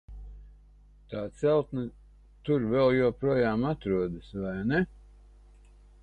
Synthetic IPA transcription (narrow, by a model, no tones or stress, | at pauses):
t̪aːt̪sɛlˠt̪nɐ | t̪uɾvɛlˠjoːpɾuɔjaːmat̪ɾuɔd̪ɨsvajnɛ